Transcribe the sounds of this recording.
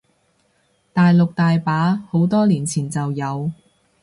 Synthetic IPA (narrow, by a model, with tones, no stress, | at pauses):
t̪aː˨jlo˨k̚t̪aː˨jpaː˨˥ho˨˧˥wt̪ɔː˥liː˨˩nt͡sʰiː˨˩nt͡sɐ˨wjɐ˨˧w